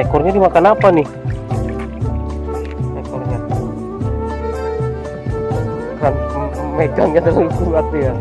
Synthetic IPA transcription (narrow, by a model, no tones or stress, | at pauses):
ɛkɔrɲadimakanapani | mekɔrɲa | sameɡaŋɲat̪ausuat̪uja